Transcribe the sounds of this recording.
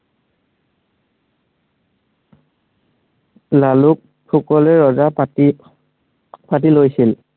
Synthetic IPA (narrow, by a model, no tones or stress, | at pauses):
laluk̚ | pʰukɔlɛɹɔza | pat̬ilojsil